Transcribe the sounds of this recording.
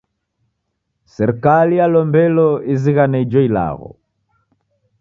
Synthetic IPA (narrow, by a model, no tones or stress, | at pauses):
sɛɾɛkalijalɔmbɛlɔiziɣanɛid͡ʒɔila̰ɣɔ̰